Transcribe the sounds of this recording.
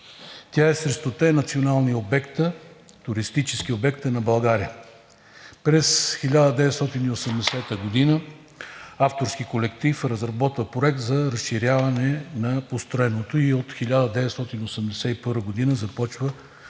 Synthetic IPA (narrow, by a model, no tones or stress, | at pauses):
t̪ʲaɛsɾɛst̪ot̪ɛnɐt̪sionalˠniobɛkt̪ə | t̪ʊɾist̪it͡ʃɛsk̟iobɛkt̪ənɐbɐlˠɡaɾiə | pɾɛsxilʲad̪əd̪ɛvɛt̪st̪ɔt̪iniosɛmd̪ɛsɛt̪əɡod̪inə | aft̪oɾskikolɛkt̪ifɾɐzɾɐbɔt̪vəpɾoɛk̚t̪zɐɾəsʃiɾʲjavɐnɛnɐpost̪ɾoɛnot̪oiot̪xilʲad̪əd̪ɛvɛt̪st̪ɔt̪inosəmd̪ɛsɛipɤɾvəɡod̪inəzɐpɔt͡ʃvə